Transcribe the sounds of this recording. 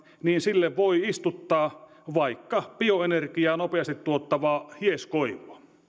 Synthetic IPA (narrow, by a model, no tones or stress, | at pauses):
niːnsilːeʋʋoiist̪ut̪ːɑː | ʋɑikːɑpioenerkijɑːnopeɑst̪it̪t̪uot̪ːɑʋɑːhieskoiʋuɑ